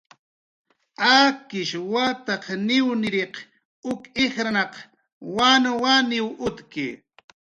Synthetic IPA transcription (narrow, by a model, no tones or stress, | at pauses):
akɪʃwat̪aqnɪwnɪɾeq | ʊkeχɾanɑq | wanawanɪwʊt̪kɪ̰